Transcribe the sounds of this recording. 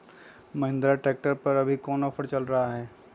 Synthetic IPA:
mɐɦɪ̃nd̪ɾaʈɾeːk̚ʈəɾpɐɾɐbʱikɔːnɔːfʰəɾt͡ʃɐlɾɐɦaɦɛː

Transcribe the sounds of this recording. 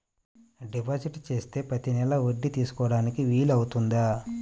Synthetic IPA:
ɖipʰad͡ʒiʈt͡ʃe̞ːst̪e̞ːpɐt̪inɛlɐʋoɖːit̪iːsu̥kɔːɽaːnikiʋiːlɐwut̪und̪a

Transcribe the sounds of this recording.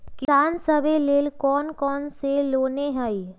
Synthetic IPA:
kɪsaːnsəbeleːlkɔːnkɔːnseloːneɦəi

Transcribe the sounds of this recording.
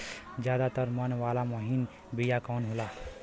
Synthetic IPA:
d͡ʒjaːd̪at̪əɾmənʋaːlamɔɦin | bijakɔːnɦoːlaː

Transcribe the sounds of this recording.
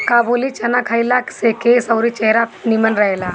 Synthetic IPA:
kaːbuːlit͡ʃɐnakʰajilaksekeːsɐʊɾit͡ʃɛɦɾapnimənɾɐɦeːlaː

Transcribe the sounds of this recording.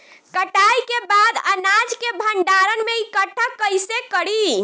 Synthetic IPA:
kəʈajkebad̪ənad͡ʒkebʱəɳɖaɾənmeikəʈʰːəkəjsekəɽi

